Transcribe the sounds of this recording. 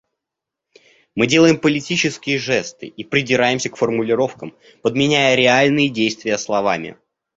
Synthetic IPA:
mɨdʲe̞lˠəjɪmpəlʲɪtʲit͡ɕɪskʲɪjəʐɛst̪ɨ̰ʔipɾʲɪdʲɪɾajɪmsʲəkfərmʊlʲɪɾo̞fkəm | pəd̪mʲɪnʲæjəɾʲɪalʲnɨjədʲejst̪vʲɪjəslˠɐvamʲɪ̰

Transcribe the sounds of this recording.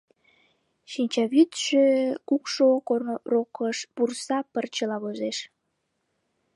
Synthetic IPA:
ʃinʲt͡ɕɑβyt̪ʃøkukʃokorokəʃpursɑpərt͡ɕəlɑβozeʃ

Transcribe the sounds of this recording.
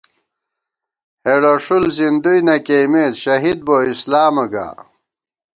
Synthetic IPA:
heɽoʂulzind̪ujnɐkejmeːd̪ɕɐɦid̪̚boːislaːmɐɡa̰ː

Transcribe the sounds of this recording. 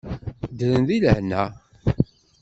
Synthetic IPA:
d̪əɾənðiləhnæ

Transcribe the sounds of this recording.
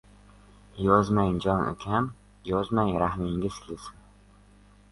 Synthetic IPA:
jɒzmajnd͡ʒɒno̰kʲʰan | jɒzmajɾahmɪŋɡʲɪz̥ʲlʲɪsɪn

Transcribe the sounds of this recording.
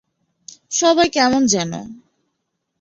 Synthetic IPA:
ʃɔbajkɛmond͡ʑɛno̰

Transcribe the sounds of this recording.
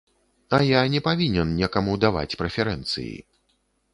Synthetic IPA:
ajanʲɛpavʲinʲɛnnʲɛkamud̪ava̰t͡sʲpɾɛfʲɛɾɛnt̪sɨ̰jḭ

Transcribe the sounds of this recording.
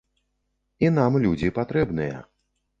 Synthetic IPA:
inamlʲud͡zʲipat̪ɾɛbnɨjɐ̰

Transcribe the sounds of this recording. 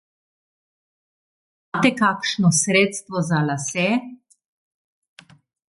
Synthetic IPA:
mat̪ɛkaːkʃnɔsɾeːt̪st̪ʋɔzalasɛ

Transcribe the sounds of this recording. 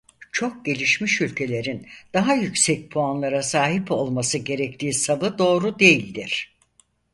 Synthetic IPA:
t͡ʃʰo̞k̚ɟe̞lʲiʃmiʃylʲcʰe̞lʲe̞ɾind̪̥aɦajycsɛc̚pʰuanlˠaɾasaːɦipo̞lˠmasɯɟe̞ɾɛct̪ʰiːsavɯd̪o̞ːɾud̪e̞jilʲd̪iɾ̝̥

